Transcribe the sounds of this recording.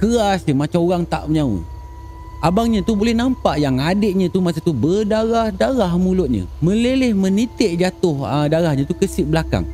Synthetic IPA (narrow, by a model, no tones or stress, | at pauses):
kəasɲəmat͡ʃamoɣaŋt̪a̰ʔməɲaṵ | abaŋɲə̃t̪ubolɛhnampaʔjaŋadeʔɲə̃t̪umas̬at̪ubədaɣahdaɣahmulʊt̪̚ɲə̰mə̃lelɪhmə̃nit̪ɪʔd͡ʒat̪ʊhdaɾahɲə̃t̪ukəsɪʔbəlaka̰ŋ